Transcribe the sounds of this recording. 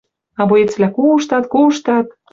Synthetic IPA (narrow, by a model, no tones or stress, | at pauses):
ɑβojet͡sβlʲækuʃt̪ɑt̪̚kuʃt̪ɑt̪̚